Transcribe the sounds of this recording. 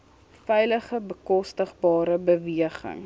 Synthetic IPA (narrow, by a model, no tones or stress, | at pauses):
fɛjləχəbəkɔstəχbɑːɾəbəviəχə̰ŋ